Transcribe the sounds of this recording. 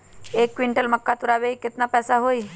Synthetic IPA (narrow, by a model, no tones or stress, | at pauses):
ekːʋiɳʈəlməkːat̪uɾaʋeikit̪napɛsaɦoi